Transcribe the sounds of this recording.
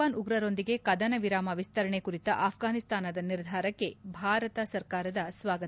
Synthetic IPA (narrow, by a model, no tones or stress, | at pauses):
aːnuɡɾɐɾo̞nd̪iɡe̞kɐd̪ɐnɐʋiɾaːmɐʋist̪ɐɾɐɳekuɾit̪ɐʔaːpʰɡaːnist̪aːnɐd̪ɐniɾd̪ʱaːɾɐkːe̞bʱaːɾɐt̪ɐsɐɾkaːɾɐd̪ɐsʋaːɡɐ